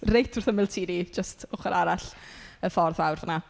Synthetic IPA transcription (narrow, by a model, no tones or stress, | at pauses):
rejtʰʊrθəmɪlˠtʰiːnid͡ʒəstʊχəɾʔaɾaɬəfɔrðawrvəna